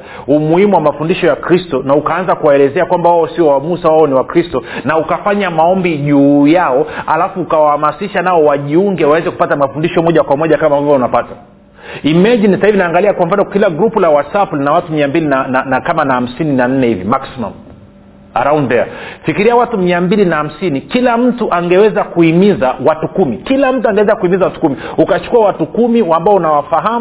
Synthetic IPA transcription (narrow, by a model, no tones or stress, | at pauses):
umuhimuwamafundiʃɔjakɾistɔnaukaanzakuwaɛlɛzɛakwambawaɔsiɔwamusawaɔniwakɾistɔnaukafaɲamaɔmbiʄujaɔalafuːkawahamasiʃanaɔwaʄiuŋɡɛwawɛzɛku̥patamafundiʃɔmɔʄakwamɔʄakamaːmbavɔunapata | imɛʄinisahivinaːŋɡaliakwam̩ɱ̩fanɔkilaɡɾupulawasapulinawatumiambilinananakamanaham̩sininan̩nɛhivḭmaksima̰m | a̰ɾaundɛa̰fikiɾijawatumiambilinaham̩sinikilam̩tuʔaŋɡɛwɛzakuimizawatukumikilam̩tuaŋɡɛwɛzakuimizawatu̥kumiukat͡ʃu̥kuawatukumiwambaɔunawafaɦam